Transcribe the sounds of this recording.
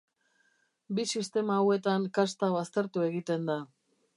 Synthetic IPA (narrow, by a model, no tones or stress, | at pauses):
bisist̪e̞mawe̞t̪aŋkast̪aβast̪e̞ɾt̪ue̞ɣit̪e̞nd̪a